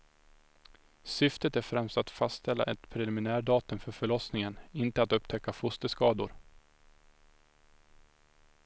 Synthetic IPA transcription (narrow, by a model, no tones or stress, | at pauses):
sʏft̪ət̪æɾfɾɛmst̪at̪fastst̪ʰɛlːa̰ʔɛt̪pʰɾɛlɪmɪnæːɖɑːt̪ɵmfœɾfœɭɔsnɪŋənɪnt̪əat̪ɵpːt̪ʰɛkːafʊst̪əskɑːd̪ʊ̰ɾ